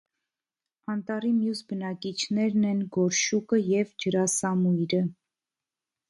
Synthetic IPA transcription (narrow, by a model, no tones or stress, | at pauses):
ɑnt̪ɑrimjusbənɑkit͡ʃʰnɛɾnɛnɡɔɾʃukəjɛvd͡ʒəɾɑsɑmujɾə